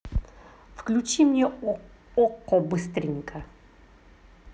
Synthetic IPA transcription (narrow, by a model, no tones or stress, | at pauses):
fklʲut͡ɕimnʲɛ | ɔkːɔbɨst̪ɾʲɪnʲkɐ